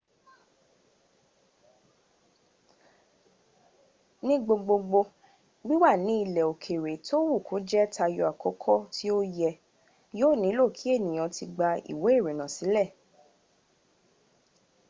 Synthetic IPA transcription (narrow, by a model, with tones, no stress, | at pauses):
nĩ˦ɡ͡bo˧ɡ͡bo˧ɡ͡bo˧ | wi˦wa˦˨nĩ˨˦i˧lɛ˨o˨kʰe˨ɾe˨to˦wu˦˨kʰo˨˦d͡ʒɛ˦ta˧jɔ˧a˨kɔ˨˦kʰɔ˦ti˦o˦jɛ˧ | joː˦˨nĩ˨˦lo˦˨kʰi˨˦e˦˨nĩ˨j̃ɔ̃˨˧ti˧ɡ͡ba˧ḭ˨we˨˦e˦˨ɾe˨nã˨sĩ˨˦lɛ˦˨